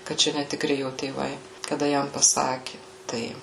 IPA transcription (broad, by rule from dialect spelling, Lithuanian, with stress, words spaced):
kɐˈt͡ʃʲɛ nʲɛtʲɪˈkrʲɪ ˈjoː tʲeːˈʋɐɪ kɐˈdɐ ˈjɛm pɐˈsɑːkʲɪ ˈtɐɪ